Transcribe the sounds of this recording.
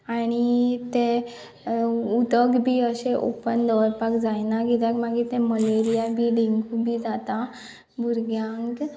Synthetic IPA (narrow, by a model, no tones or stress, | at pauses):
aɽ̃it̪ẽ | ud̪əɡbʱiːəɕeʔo̰pənd̪əʋəɾpakd͡zajnaɡit̪akmaɡiːt̪ẽməleɾijabʱiːɖiŋɡubʱiːd͡zat̪a | buɾɡjãŋk